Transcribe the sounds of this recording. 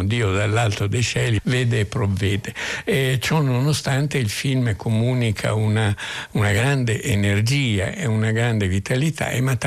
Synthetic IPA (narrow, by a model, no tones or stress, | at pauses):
d̪iːod̪alːalt̪od̪ejʃɛlivɛːd̪eːpːɾovːɛːd̪eɛt͡ʃɔnonost̪ant̪eilfilmkʰomunikʰa̰unaunaɡɾand̪eʔenerd͡ʒiːa̰ʔeunaɡɾand̪evit̪ʰalit̪ʰa̰ḛmat̪ː